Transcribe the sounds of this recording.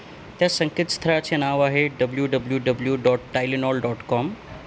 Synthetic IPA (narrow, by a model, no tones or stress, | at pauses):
t̪ãsɐ̃ŋkɪt̪st̪ʰəɾat͡ɕʰinaːʋaːɦeɖɐbljuɖɐbljuɖɐbljuɖɔːʈʈːaːɪlɪnɔːlɖɔːʈkɔːm